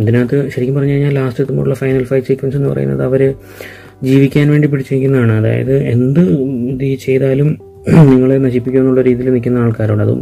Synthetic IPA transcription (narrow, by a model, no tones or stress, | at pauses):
ɐd̪inaːt̪ːɨɕɐɾikʲːumpɐrɐɲːaːlɲaːlːaːstet̪ːumo̰ːɽuɭːɐfɐjnɐlfɐjʈsikʋense̞nːɨpɐrɐ̰jṵnːɐ̰ðɐʋɐɾɨ | d͡ʑiːʋikʲːaːnʋe̞ːɳɖipiɽit͡ɕːiɾikʲːunːɐðaːɳɨɐða̰ːjɐ̰ðɨe̞nd̪ɨd̪it͡ɕe̞jðaːlum | niŋːɐɭenɐɕipːikʲːume̞nːuɭːɐɾiːðijilnikʲːunːɐaːɭkaːɾoːɽɐðɨ̰